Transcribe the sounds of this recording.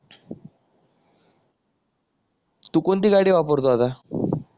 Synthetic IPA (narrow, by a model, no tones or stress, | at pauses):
t̪ukont̪iɡaɽiʋapəɾt̪oɦat̪a